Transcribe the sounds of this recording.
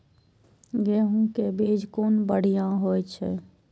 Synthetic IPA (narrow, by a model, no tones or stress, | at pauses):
ɡɛːɦũkebeːd͡ʒʱkoːnbəɽ̤ijãɦoːt͡ʃʰɛ̰